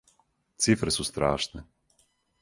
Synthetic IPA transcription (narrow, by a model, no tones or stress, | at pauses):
t̪sifɾəsost̪ɾa̰ʃnɛ